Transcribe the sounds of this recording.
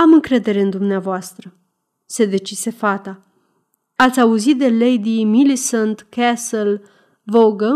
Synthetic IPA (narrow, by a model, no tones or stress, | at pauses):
amɨŋkɾe̞d̪e̞ɾe̞ɨnd̪umneavoast̪ɾə | se̞d̪e̞t͡ʃise̞fat̪a | at̪sʲauzit̪̚d̪e̞lejd̪imilisənt̪kɛsəl | voɡə